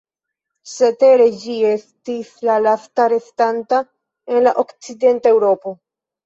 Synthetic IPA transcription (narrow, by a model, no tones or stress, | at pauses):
se̞te̞ɾe̞d͡ʒie̞stislalastaɾe̞stanta | e̞nlaʔo̞kt͡side̞ntae̞wɾo̞po̞